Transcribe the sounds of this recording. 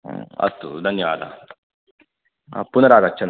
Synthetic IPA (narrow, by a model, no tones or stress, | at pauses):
ɐ̰t̪ːṵd̪ʱɐnjɐʋaːd̪ʱa̰ | punɐɾaːɡɐt͡ʃːt͡ʃʰɐn